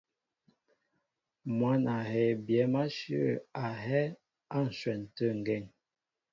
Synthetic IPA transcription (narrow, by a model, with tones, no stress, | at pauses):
mwa˨˦na˨hɛ˨bjɛ˨˦ma˦ʃə˦˨a˨ɦɛ˦ | a˦˨n̩˨swɛ˨n˨tə˦˨ŋ˨ɡɛ˦˨ŋ